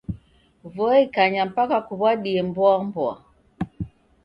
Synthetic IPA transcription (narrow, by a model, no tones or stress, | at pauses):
vɔikaɲam̩pakakuβwaɗiɛmbwambɔa̰